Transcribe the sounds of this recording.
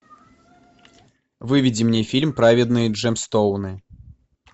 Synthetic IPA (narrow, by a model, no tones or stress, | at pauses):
vɨvʲid͡zʲimnʲɛfʲilʲmpɾavʲid̪nɨʐɛmst̪ɔwnɨ